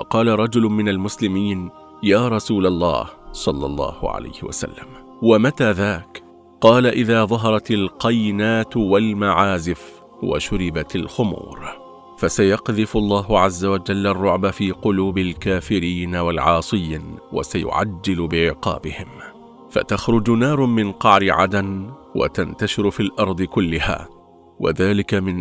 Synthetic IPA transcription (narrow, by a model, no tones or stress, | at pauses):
ɑqɑːlaɾˤɑd͡ʒʊlʊmɪnalmʊslɪmiːn | jaːɾˤɑsuːlalˤːɑ̰ːhsˤɑlːɑ̰lˤːɑ̰ːhʊ̰ʕa̰la̰jhɪ̰wa̰sa̰lːa̰m | wamat̪aːðaːk | qɑːlaʔɪðaːðˤɑɦɑɾˤɑt̪alqɑjnaːt̪walmaʕaːzɪf | wa̰ʃʊɾɪbat̪alxʊmṵːɾ | fasajɑqðɪfʊɑlˤːɑːɦʊʕazːawad͡ʒalːarˤːʊʕbafiːqʊluːbalkaːfɪɾiːnawalʕɑːsˤɨjːnwa̰sajʊ̰ʕa̰d͡ʒːɪlbɪʕɪqɑ̰ːbɪhɪm | fa̰t̪axɾˤʊd͡ʒnɑːɾˤmɪnqɑʕɾɪʕa̰d̪anwa̰t̪ant̪aʃɪɾfiːlʔɑɾˤd̪ˤɨkʊlːɪha̰ː | wa̰ðaːlɪkamɪn